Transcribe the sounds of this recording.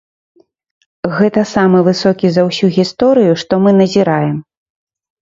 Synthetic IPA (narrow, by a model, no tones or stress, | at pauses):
ɣɛt̪ɐsamɨvɨsɔkʲizɐwsʲuɣʲist̪ɔɾɨjuʂt̪ɔmɨnɐzʲiɾajɛm